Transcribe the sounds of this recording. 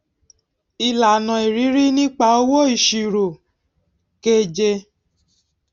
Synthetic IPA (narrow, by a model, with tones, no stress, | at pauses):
i˧la˨nɔ̃˨i˨ɾi˨˦ɾi˦nĩ˦k͡pa˧˦o˦wo˦i˨ʃi˨ɾo˨ | ke˦d͡ʒe˧